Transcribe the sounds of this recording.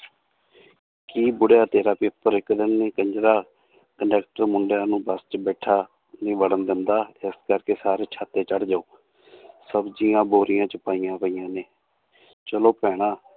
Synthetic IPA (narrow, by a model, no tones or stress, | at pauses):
kiːbʊɽjaːt̪eːɾaːpɪpːəɾɪkd̪ənːeːkəɲd͡ʒɾaː | kəɳɖɛːkʈəɾmʊɳɖjãːnũːbəst͡ʃbɛːʈʰaː | nĩːʋəɽənd̪ɪnd̪aːɪskəɾkeːsaːɾeːt͡ʃʰaːt̪eːt͡ʃəɽd͡ʒaːoː | səbd͡ʒijãːboːɾɪjãːt͡ʃəpaːijãːpəiːjãːneː | t͡ʃəloːpɛːɽ̃aː